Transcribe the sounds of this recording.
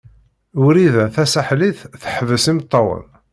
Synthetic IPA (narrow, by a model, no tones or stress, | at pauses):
ʊɾiðæθæsaħliθθəħəvəsimt̪ˤːɑwə̰n